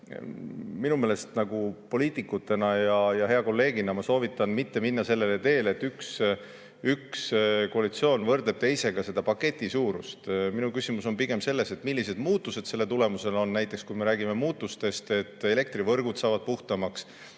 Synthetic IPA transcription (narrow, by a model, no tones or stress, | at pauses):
minume̞ːlest̪nɑɡ̥upo̞liːt̪ˑikːˑut̪ːe̞nɑjɑjɑɦe̞ɑko̞lːe̞ːɡinɑmɑso̞ːvit̪ːˑɑnmit̪ːe̞minːɑse̞lːe̞let̪e̞ːle̞t̪ːyks | ykskoɑlit̪sio̞ːnvɤrd̪eb̚t̪e̞jse̞ɡ̥ɑse̞d̪ɑpɑkːe̞t̪ʲːˑisuːɾṵst̪minukysʲimuso̞npiɡ̥e̞mse̞lːe̞se̞t̪milːise̞d̪̥muːt̪ːˑuse̞d̪̥se̞lːe̞t̪ule̞muse̞lo̞nːæjt̪ˑːekskujme̞ɾæːɡime̞muːt̪ːˑust̪e̞st̪e̞t̪ːˑe̞le̞k̚t̪rivɤrɡ̥ud̪̥sɑːvɑd̪̚puht̪ɑmɑks